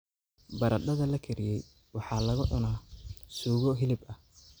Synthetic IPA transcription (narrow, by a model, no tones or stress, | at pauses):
bɐɾɐd̪ɐðɐlɐkʰɛɾɪjɛj | wɑħɑːlɐɣʊʕʊnaːsuːɣɔɦɪlɪbɐh